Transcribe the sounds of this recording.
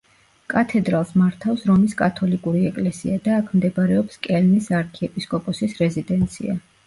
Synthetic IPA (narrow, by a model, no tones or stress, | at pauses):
kʼat̪ʰɛd̪ɾalˠsmaɾt̪ʰafsɾɔmiskʼat̪ʰɔlikʼuɾiɛkʼlɛsḭad̪aːkʰmd̪ɛbaɾɛɔpskʼɛlmisaɾkʰɛɛpʼiskʼɔpʼɔsisɾɛzid̪ɛnt̪sʰḭa